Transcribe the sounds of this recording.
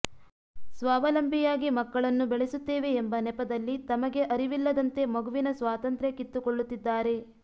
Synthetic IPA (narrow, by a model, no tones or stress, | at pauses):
sʋaːʋɐlɐmbʱijaːɡimɐkːɐɭɐnːubeɭesut̪ːeːʋe̞ːmbɐnɛpɐd̪ɐlːit̪ɐmɐɡe̞ʔɐɾiʋilːɐd̪ɐnt̪e̞mɐɡuʋinɐsʋaːt̪ɐnt̪ɾekit̪ːukoɭːut̪ːid̪ːaːɾe̞